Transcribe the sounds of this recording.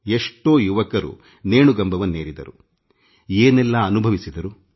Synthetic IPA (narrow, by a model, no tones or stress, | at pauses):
eʂʈo̞ːjuʋɐkɐɾṵ | neːɳuɡɐmbʱɐʋɐnːeːɾid̪ɐ̰ɾu | eːnɛlːɐːnubʱɐʋisid̪ɐɾu